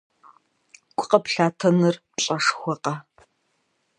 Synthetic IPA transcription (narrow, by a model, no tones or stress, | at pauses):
kʷʼqɐpɬaːtʰɐnɨr | ɕʼɐʂxʷɔqɐ